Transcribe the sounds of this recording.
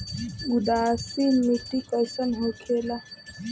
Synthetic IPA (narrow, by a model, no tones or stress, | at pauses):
udasimitikʼajsanɦokʰɛla